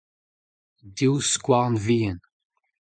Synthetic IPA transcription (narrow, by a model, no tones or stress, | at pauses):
d̪iwskʷwaʁnvijən